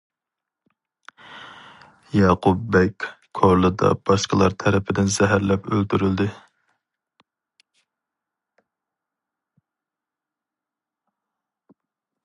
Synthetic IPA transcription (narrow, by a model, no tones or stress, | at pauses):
jɑqʰubːɛkʲ | kʰoɾlˠɨd̪ɑ̰b̥ɑʃqəlˠɑɾt̪ʰɛɾɪpʰɪd̪ɪnz̥ɛɦæɾlɛpølt̪yɾyld̪ɪ